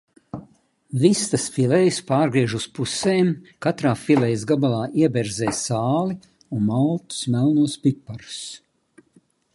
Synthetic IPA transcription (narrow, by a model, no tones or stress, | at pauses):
vist̪asfilʲɛjspaːɾɡɾiɛʒuspuseːmkat̪ɾaːfilˠɛjzɡabalˠaːʔiɛbɛɾzɛːsaːli | unmalˠt̪u̥smælˠnuɔspipːaɾs